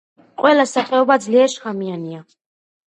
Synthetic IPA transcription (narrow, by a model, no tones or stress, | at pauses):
qʼwɛlasaχʼɛɔbad̪zliɛʃχamiania